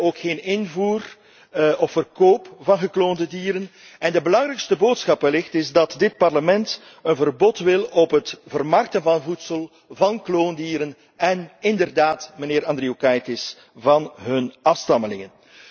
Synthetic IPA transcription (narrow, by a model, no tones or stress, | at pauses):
oːkxeːnɪnvuːr | ɔfːərkoːpvɑnɣəkloːndədiːɾən | ɛndəbəlɑŋɾɛjkstəboːtsxɑpəlɪxtɪzdɑtdɪt̚pɑrləmɛnt | ənvərbɔtʋɪlɔpɦətv̥ərmɑrk̚tənvɑnəvutsəlˠ | vɑnkloːndiːɾən | ɛnɪndərdaːtməneːɾɑndriokajtɪs | vɑnɦɵnɑfstɑməlɪŋən